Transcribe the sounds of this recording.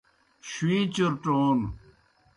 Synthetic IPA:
ɕwiːt͡ɕuɾʈoːn

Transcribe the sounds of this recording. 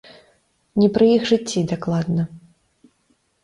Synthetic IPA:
nʲɛpɾɨjixʐɨt͡sʲːid̪aklˠad̪nɐ

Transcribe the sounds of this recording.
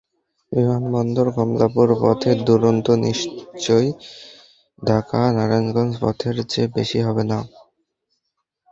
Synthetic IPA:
bimanbɔnd̪oɾɡʱɔmlapuɾpɔ̰t̪ʰed̪uɾont̪oniʃt͡ɕoj | dʱakanaɾanɡɔnspɔ̰t̪ʰeɾt͡ɕebeʃiɦɔbena

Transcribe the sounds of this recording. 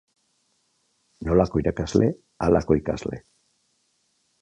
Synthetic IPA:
no̞lako̞iɾakazle̞ | alako̞ikazle̞̰

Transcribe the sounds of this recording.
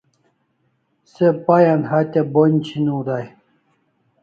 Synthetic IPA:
sepajanhat̪ʲabonʲt͡ɕʰinud̪aj

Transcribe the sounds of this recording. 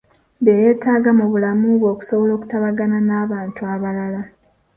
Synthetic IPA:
beje̞ːtaːɡamuβulamuβwo̞ːku̥so̞βolo̞ːku̥taβaɡananaːβaːntuaβalala

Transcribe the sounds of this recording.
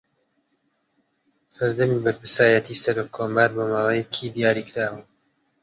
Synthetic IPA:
sɐɾd̪ɐmiːbɐɾpɨɾsaːjɐt̪ʰiːsɐɾoːkʰːoːmbaːɾboːmaːwajɛkʰid̪ijaːɾikʰɾaːwə

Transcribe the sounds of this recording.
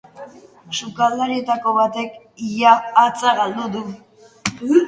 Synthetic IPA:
sukald̪aɾie̞t̪ako̞βat̪e̞k | ijaːt͡saɣald̪uðu

